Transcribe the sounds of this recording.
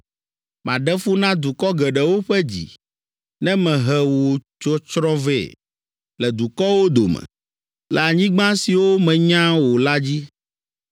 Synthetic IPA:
mã˨ɖɛ˦fu˦nã˦d̪u˨kɔ˦ɡɛ˨ɖɛ˨wo˦ɸɛ˦d͡ʑḭ˨ | nɛ̃˦mɛ̃˨ɦɛ˨wo˨t͡ʃo˦t͡ʃɾɔ̃˦vɛ̰˦˨ | lɛ˨d̪u˨kɔ˦wo˦d̪o˨mɛ̰̃˨ | la˨ɲĩ˦ɡ͡bã˦si˨wo˦mɛ̃˨ɲã˦wo˨la˦d͡ʑi˦

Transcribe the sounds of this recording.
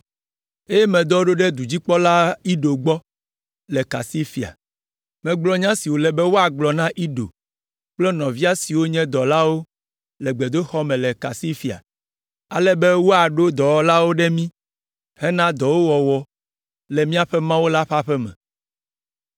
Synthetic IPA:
e˦jɛ˦mɛ̃˨d̪ɔ˦ɖo˦ɖɛ˦d̪u˨d͡ʑi˦k͡pɔ˦la˦i˦ɖo˨ɡ͡bɔ˦ | lɛ˨ka̰˨si˦fi˨a̰˨ | mɛ̃˨ɡ͡blɔ˨ɲã˦si˨wo˨lɛ˨bɛ˦wo˦a˨ɡ͡blɔ˨nã˦ʔi˦ɖo̰˨ | k͡plɛ˦nɔ̃˨vi˦a˦si˨wo˦ɲɛ̃˦d̪ɔ˨la˦wo˦ | lɛ˨ɡ͡bɛ˨d̪o˦xɔ˦mɛ̃˨lɛ˨ka̰˨si˦fi˨a̰˨ | a̰˨lɛ˦bɛ˦wo˦a˨ɖo˦d̪ɔ˨wɔ˦la˦wo˦ɖɛ˦mĩ˦ | hɛ˦nã˦d̪ɔ˨wo˦wɔ˨wɔ˦ | lɛ˨mĩ˦a˦ɸɛ˦mã˦wo˦la˦ɸa˦ɸɛ˦mɛ̰̃˨

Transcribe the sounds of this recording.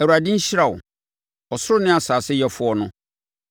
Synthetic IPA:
ɛ˨u˨a˨dɪ̃˦ɲ̩˦ɕɪ˦a˨wʊ̰˨ | ɔ˨sʊ˦ɾʊ˦nɪ̃˦a˨saː˨sɪ˦jɛ˦fʊ˦ɔ˦nʊ̃˦

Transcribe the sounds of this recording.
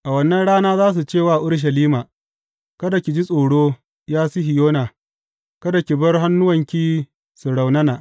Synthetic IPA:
ʔa˨wɐ˦nːɐ˦nɽaː˦naː˦zaː˦s̬u˨t͡ʃeː˦˨waː˦˨ʔʊ˦ɽʃ̬ɐ˨liː˦maː˨ | kɐ˦da˨kʲi˨d͡ʒi˦sʼoː˨ɽoː˦ | jaː˦sʊ˦ɦɪ˨joː˦naː˨ | kɐ˦da˨kʲi˨bɐ˦rɦa˦nːʊ˦wɐ˨ŋkʲiː˦ | su˨ɽa˨wnɐ˦naː˨ʔ

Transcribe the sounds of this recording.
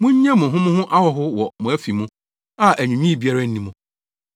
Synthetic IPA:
mʊ̃˦ɲ̩˦ɲɛ̃˦mʊ̃˨ɦʊ̃˦mʊ̃˦ɦʊ̃˦ʔa˦wɔ˨ɦʊ˦wɔ˨mʊ̃˨˦æ˦fi˨mũ˦ | a˦ʔæ˨ɲᶣũ˨ɲᶣĩ˦i˨bi˦a˦ɾa˦n̩˦nĩ˦mʊ̃˨

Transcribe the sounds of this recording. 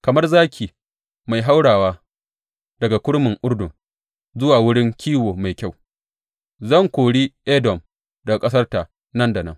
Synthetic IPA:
kɐ˨mɐ˦rzaː˦kʲiː˨ | ma˨jɦa˦wɽaː˨waː˦ | dɐ˨ɡa˨kʷʊ˦ɽmɪ˨ŋʔʊ˦ɽdʊ˨ŋ | zʊ˦waː˨wʊ˦ɽɪ˦ŋkʲʰiː˦woː˨ma˨jkʲa˦˨w | zɐ˦˨ŋkʷoː˨ɽiː˦ʔɛ˦dɔ˨m | dɐ˨a˨kʼɐ˦s̬ɐ˦rta˨ | nɐ˦nda˨nɐ̰˦ŋ

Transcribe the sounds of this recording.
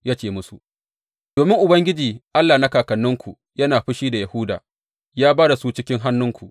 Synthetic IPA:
jaː˦t͡ʃeː˨mʊ˦su˨ | doː˨mɪ˦ŋʔʊ˨bɐ˦ŋɡʲɪ˦d͡ʒiː˨ʔa˦lːaː˨na˦kaː˨kɐ˨nːʊ˦ŋkʷu˨ | jɐ˦naː˨ɸɪ˦ʃiː˦da˨ja˨hʊ˦da̰ː˨ | jaː˦baː˦da˨suː˦t͡ʃɪ˦kʲɪ˦ŋɦa˦nːʊ˦ŋkʷu˨ʔ

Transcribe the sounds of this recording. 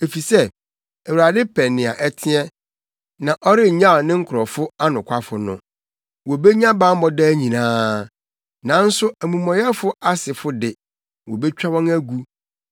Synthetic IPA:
e˨fi˨sɛ˦ | æ˨wɾa˨dɪ˦pʰɛ˨nɪ̃˨a̰˨ʔɛ˦tʰɪ˦ɛ̃˦ | nã˨ʔɔ˦ɾɪ˦˨ɲã˦˨nɪ̃˦ŋ̩˦kʰʊ˨ɾɔ˨fʊ˦a˦nʊ̃˨kʷʰa˦fʊ˨nʊ̃˨ | wɔ˨be˦ɲã˦bã˦m˦mɔ˦dɛ˦ɲĩ˨nãː˦ | nã˨n̩˦sʊ˦æ˨mũ˨mɔ̃˨jɛ˦fʊ˦a˦sɪ˨fʊ˦dɪ˨ | wɔ˨be˦t͡ɕᶣa˦wɔ̃˦næ˦ɡu˦

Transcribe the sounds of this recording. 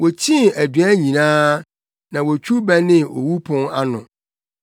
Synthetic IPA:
wo˨t͡ɕʰĩ˦næ˨dɥæ˦ɲĩ˨nãː˦ | nã˨wo˨t͡ɕʰᶣu˦bæ˦nɪ̃˦o̰˨wu˦pʰʊ̃˦ŋa˦nʊ̃˨

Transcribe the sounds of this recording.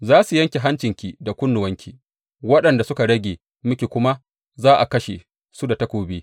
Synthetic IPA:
zaː˦su˨jɐ˦ŋkʲe˨ɦa˦nt͡ʃɪ˨ŋkʲi˨da˨kʷʊ˦nːʊ˨wɐ˦ŋkʲʰiː˨ | wɐ˦ɗɐ˨nda˨sʊ˦ka˨ɽɐ˦ɡʲeː˨ | mʊ˦kʲe˨kʷʊ˦ma˦ | zaː˦ʔa̰˨kɐ˦ʃḛ˨ | su˦da˨tɐ˦kʷoː˨beː˦

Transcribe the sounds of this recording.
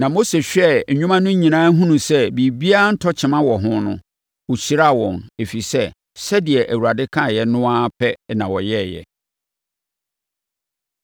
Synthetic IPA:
nã˨mo˦se˨ɕᶣɛ˦ɲ̩˨ɲᶣũ˦mã˦nʊ̃˦ɲĩ˨nãː˦ɦũ˦nũ˨sɛ˦bi˨bi˦a˦n̩˦tʰɔ˦t͡ɕʰɪ˨mã˦wɔ˨ɦʊ̃˦nʊ̰̃˦ | wʊ˨ɕi˨ɾa˦˨wɔ̃˨ne˨fi˨sɛ˦ | sɛ˦dɪ˨ɛ˨ʔæ˨wu˨ɾa˨dɪ˦kʰã˦˨jɛ˦nʊ̃˦a˦pʰɛ˦nã˨wɔ˨jɛ˦˨jɛ̰˨

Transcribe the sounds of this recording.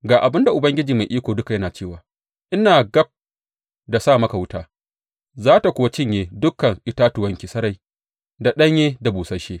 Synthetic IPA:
ɡaː˨ʔa˨bɪ˦nda˨ʔʊ˨bɐ˦ŋɡʲɪ˦d͡ʒiː˨ma˨jʔiː˦kʷoː˨dʊ˦ka˨jɐ˦naː˨t͡ʃeː˦˨waː˨ | ʔɪ˦naː˨ɡɐ˦b̚ | da˨saː˦˨mɐ˦ka˨wʊ˦taː˦ | zaː˦ta˨kʷʊ˦wa˦t͡ʃɪ˦ɲjeː˦dʊ˦kɐ˨ŋʔɪ˦˨taː˦tʊ˨wɐ˦ŋkʲi˨sɐ˦ɾa˨j | da˨ɗɐ˦ɲjeː˦da˨buː˨sɐ˦ʃeː˦

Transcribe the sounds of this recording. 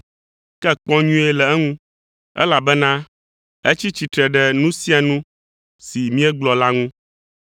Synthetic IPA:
kɛ˦k͡pɔ̃˦ɲũ˦e˦lɛ˨ɛ˦ŋũ˦ | ɛ̰˦la˨bɛ˦nã˦ | e˦t͡ɕi˦t͡ɕi˨t̪ɾɛ˨ɖɛ˨nũ˦si˦a˨nũ˦ | si˨mĩ˦ɛ˦ɡ͡blɔ˨la˦ŋũ˦

